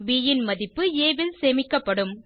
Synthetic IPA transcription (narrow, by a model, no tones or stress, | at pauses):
ʋiːjɪnmɐðɪpːɯeːʋɪlseːmɪkːɐpːɐɽɯm